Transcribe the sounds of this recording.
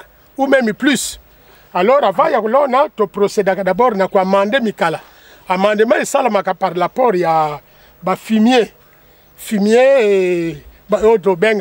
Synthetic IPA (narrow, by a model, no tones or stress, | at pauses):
umɛmiplys | alɔɾavajakolɔnatopɾosedakadabɔɾnakuamandemikala | amandemaisalamakapaɾlapɔɾja | bafimje | fimie | botobeŋɡ